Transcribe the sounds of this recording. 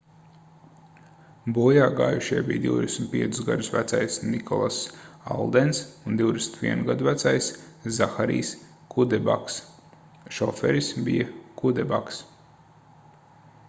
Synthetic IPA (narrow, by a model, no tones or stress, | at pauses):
bujaːɡa̰ːjuʃiɛbḭjd̪iwd̪ʲesʲmnʲt̪̚piɛt̪su̥sɡa̰d̪usvæt̪sajsnikʰɔlˠasa̰lˠd̪ɛnsund̪iwd̪esnʲt̪vḭɛnuɡad̪uvæt̪sajs | zaxaɾḭːs | kʰud̪ɛba̰ks | ʃɔfɛ̰ɾismbijakud̪ɛba̰ks